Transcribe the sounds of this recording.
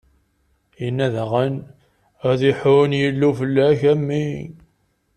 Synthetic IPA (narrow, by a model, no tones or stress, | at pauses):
jənːæðəʁən | æðiħʊnjəlːufəlːæçæmːi